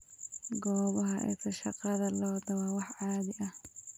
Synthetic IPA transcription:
ɡɔːβɐɦɐʔɛ̰sʰɐʃɑqɑðɐlɔːd̪ɐwɑwɑħʕɑːðɪʔɐh

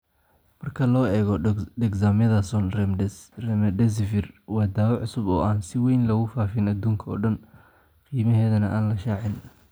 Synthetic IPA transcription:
mɐrkʰɐlɔːɛːɣɔɖɛɡsaːmɐðɐsɔnrɛmrɛmdɛs̬ɪfɪrwɑːd̪aːβɐʕʊsʊbɔ̰ːʔaːnsɪwɛjnlɐɣʊfaːfɪnɐd̪uːŋkʰɐɔ̰ːɖɐn | qiːmɐɦɛːðɐnɐʔaːnlɐʃaːʕɪn

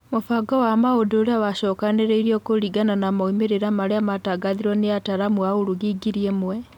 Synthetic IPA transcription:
mofaɡɔwamaodoːɾeawaɕɔkaneɾɛiɾiɔkoɾiɡananamaumeɾeɾamaɾeamataɡaðiɾwɔneataɾamwaoɾuɣiːɡiɾiemwɛ

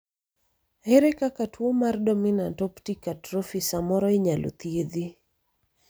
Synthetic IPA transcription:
hɛɾɛkakatʰwomardɔminantɔptikatrɔfisamɔɾɔiɲalʔṵt̪ieði

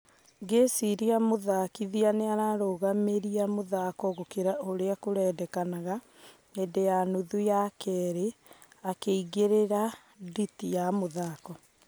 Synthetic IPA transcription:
ɡesiɾiamoðakiðianeaɾaɾoɣameɾiamoðakɔɣokeɾaoɾeakoɾɛːdɛkanaɣa | endejanuðujakʰɛɾe | akeiɣeɾeɾa | ditijamoðakɔ

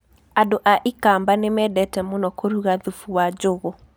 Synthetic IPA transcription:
andoʔaʔikambanemɛdɛtɛmonɔkoɾuɣaðufuwad͡ʑoɣɔ

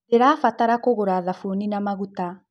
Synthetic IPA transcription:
eɾaːfataɾakoɣoɾaðafuninamaɣuta

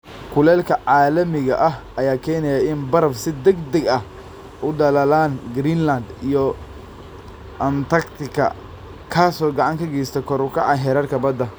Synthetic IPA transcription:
kʰʊlɛːlkʰɐʕaːlɐmɪɣɐ̰ʔɐɦɐjaːkʰɛːnɛjaɪnbɐɾɐfsɪd̪ɛɡd̪ɐɡɐh | ʔʊɖɐlɐlaːnɡɾiːnlɐnd̪ijɔ | ʔɐnt̪ɐkt̪ʰɪkʰɐ̰ | kʰaːsɔːɡɐʕɑŋkʰɐɡɛːst̪ʰɐkʰɔɾʊkʰɐʕɑɦɛɾɐrkʰɐbɐd̪ɐ

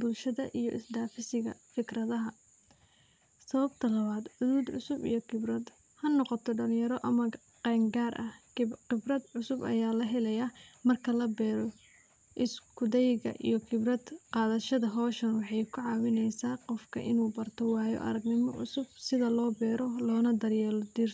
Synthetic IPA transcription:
bʊlʃɐðɐʔijɔʔɪsd̪aːfɪsɪɣɐ̰fɪkrɐðɐɦɐ | sɐβɐbt̪ʰɐlɐβaːd̪ʕʊðuːd̪ʕʊsʊbḭjɔkʰɪbrɐd̪ | hɐnɔqɔt̪ʰɔɖɐlɪjɐɾɔʔɐmɐ | qɛːŋɡaːrʔɐhqɪbrɐd̪ʕʊsʊbɐjaːlɐɦɛlɛjɐmɐrkʰɐlɐbɛːɾɔ | ʔɪskʰʊd̪ɛjɣɐ̰ʔḭjɔkʰɪbrɐd̪qɑːðɐʃɐðɐɦɔːʃɐnwɑħɑjkʰʊʕɑːwɪnɛjsaːqɔfkʰɐ̰ʔɪnuːbɐrt̪ʰɔwɑːjɔ̰ʔɐ̰ɾɐɡnɪmɔ̰ʕʊ̰sʊb̚sɪðɐlɔːbɛːɾɔlɔːnɐd̪ɐrjɛːlɔd̪ir

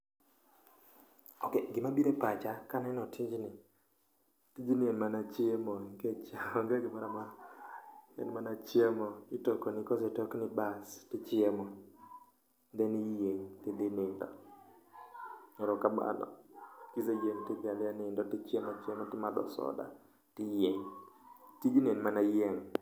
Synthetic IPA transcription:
okeɡɪmabiɾepat͡ʃakanɛnɔtʰiɲd͡ʒnɪ | tid͡ʒinɪenmanat͡ʃɪemɔiket͡ʃaŋɡaɡɪmaɾama | ɛ̰nmanat͡ʃɪemɔɪtokonɪkɔzetoknɪbastɪt͡ʃɪemɔ | ndɛnijeɲtɪlɪnɪndɔ̰ | ɲɛɾɔkaba̰lɔ̰kizejeŋtɪpjaljanɪndɔtit͡ʃɪemat͡ʃemɔtɪmad̪ɔ̰sɔ̰da̰ | tɪjeɲ | tiɡinenmanajɛŋ

